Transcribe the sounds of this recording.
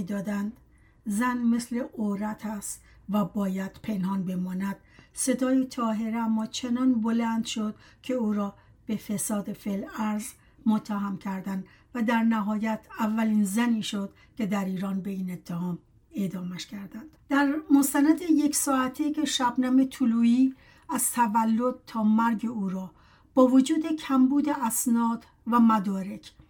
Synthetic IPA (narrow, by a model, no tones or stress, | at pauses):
id̪ɒːd̪ænd̪ | zænme̞sle̞ʔoɾæt̪ʰæst̪ | væbɒːjæd̪̥pʰe̞nhɒːnbe̞mɒːnæd̪̥̚se̞d̪ɒːjet̪ʰɒːɦe̞ɾeæmːɒːt͡ʃʰe̞nɒnbo̞lænd̪ʃod̪̥kʰe̞uːɾɒː | b̥e̞fe̞sɒːd̪efelæɾz | mot̪ʰːæɦæmcʰæɾd̪ænd̪ | væd̪æɾnæɦɒːjæt̪ʰævːæliːnzæniːʃod̪̥ | cʰe̞d̪æɾiːɾɒːnbe̞iːne̞t̪ʰːehɒːm | e̞d̪ɒːmæʃkʰæɾd̪ænd̪̥d̪̥æɾmost̪ænæd̪ejeksɒːæt̪ʰikʰe̞ʃæbnæme̞t̪ʰuluːiː | æz̥t̪ʰævælːo̞d̪̚t̪ʰɒːmæɾɡe̞uːɾɒː | b̥ɒːvod͡ʒuːd̪e̞cʰæmbuːd̪e̞ʔæsnɒːd̪ | væmæd̪ɒːɾe̞kʰ